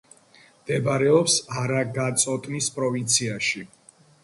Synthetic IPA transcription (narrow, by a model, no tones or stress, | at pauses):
md̪̥ɛbaɾɛɔpsaɾaɡat̪sʼɔt̪ʼnispʼɾɔvint̪sʰiaʃi